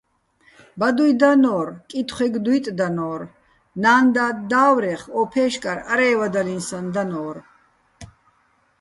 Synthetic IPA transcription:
bad̪ujd̪anɔːɾkʼit̪ʰχʷɛɡd̪ujt̪ʼd̪anɔːɾ | naːnd̪ad̪aːwɾɛχɔːpʰɛːʃkʼaɾaɾɛːvad̪alinsand̪anɔːɾ

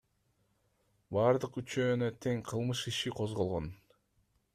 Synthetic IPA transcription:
bɑːɾd̪ɯqyt͡ʃøːnøt̪ʰe̞ŋqʰɯlˠmɯʃiʃiqʰozʁo̞lˠʁon

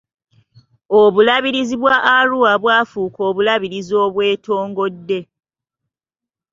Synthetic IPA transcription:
oβulaβiɾiziβwaʔːɾuwaβwaːfuːko̞ːβulaβiɾizo̞ːβwe̞ːto̞ːŋɡo̞dːe̞

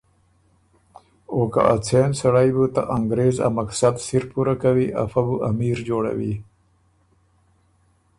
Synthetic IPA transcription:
oːka̰ʔat͡sʰensaɽajbut̪a̰ʔaŋɡɾeːza̰maksad̪siɾpuɾakawiʔa̰fabuʔamiːɾd͡ʒoːɽa̰wḭ

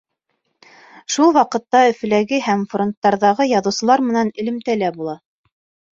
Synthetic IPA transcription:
ʃulˠwɑqɤ̆t̪ːɑɵ̆fɘ̆læɡɘɦæmfront̪ːɑɾðɑʁɤjɑðɤ̆wsɤ̆lˠɑɾmɘ̆nænɘ̆lɘ̆mt̪ælæbulˠɑ

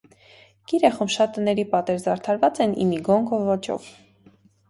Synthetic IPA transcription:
kiɾɛχumʃɑt̪ːənɛɾipɑt̪ɛɾzɑɾt̪ʰɑɾvɑt͡sɛnḭmiɡɔŋkʰɔvɔt͡ʃɔ̰v

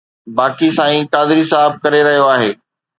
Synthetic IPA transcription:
baːkisãːĩːkaːd̪ɪɾisaːɪb̚kɐɾeɾɐɦijoaːɦeː

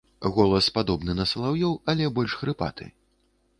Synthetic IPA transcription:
ɣɔlˠɐspad̪ɔbnɨnɐsɐlˠawjɔwɐlʲɛbɔlʲʂxɾɨpa̰t̪ɨ̰

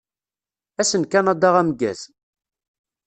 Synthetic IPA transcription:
æsənkænɑd̪ɑʁæmɡæ̰z

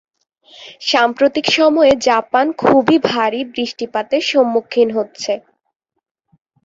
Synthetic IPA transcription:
ʃampɾot̪ikʃɔmɔed͡ʑapankʰubibʱaɾibɾiʃʈipat̪eʃomːukʰːinɦotːɕʰe

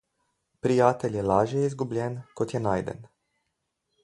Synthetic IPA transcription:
pɾijaːt̪ɛlʲjɛlaːʒjɛizɡublʲɛnkot̪jɛnaːjd̪ɛ̰n

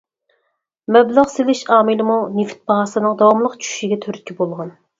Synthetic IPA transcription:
mɛblɑʁselɪʃɑːmɨlɨmunift̪̚bɑɦɑsɨnɨŋd̪ɑwɑmlˠəqt͡ʃʰy̥ʃiɡʲɛt̪ʰøɾt̪̚ʲkʲʰibolˠʁɑn

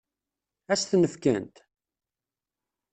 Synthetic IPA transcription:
æsθnəfkænt̪

